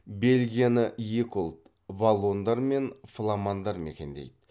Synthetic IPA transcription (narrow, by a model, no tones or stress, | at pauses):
be̞lʲɡʲijanəjekulˠt̪ | valˠːo̞nd̪ɑɾme̞nflˠamɑnd̪ɑɾme̞̰kʲe̞nd̪e̞̰jd̪ɪ